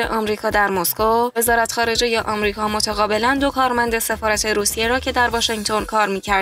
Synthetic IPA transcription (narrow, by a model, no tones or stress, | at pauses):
ḛʔɒːmɾiːkʰɒːd̪æɾmoskove̞zɒːɾæt̪xɒːɾe̞d͡ʒejeʔɒmɾiːkʰɒːmo̞t̪ʰæɣɒːbe̞lænd̪o̞kʰɒːɾmænd̪e̞se̞fɒːɾæt̪ʰe̞ɾuːsije̞ɾɒːcʰe̞d̪æɾvɒːʃeŋt̪ʰonkʰɒːɾmiːcʰæɾd̪